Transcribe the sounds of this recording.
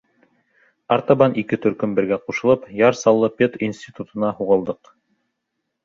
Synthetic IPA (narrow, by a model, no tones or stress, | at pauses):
ɑɾt̪ɑβɑnikɘt̪ɵ̆ɾkɵmbɘ̆ɾɡæquʃɤ̆lˠɤpjɑɾsɑlˠːɤpʲet̪insʲt̪ʲit̪ut̪ɤ̆nɑhuʁɤ̆lˠd̪ɤq